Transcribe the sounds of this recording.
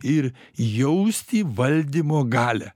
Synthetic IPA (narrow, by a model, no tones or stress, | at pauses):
ɪɾ | jɛʊsʲt̪ʲiːʋɐlʲd̪ʲimoːɡɑːlʲæ̰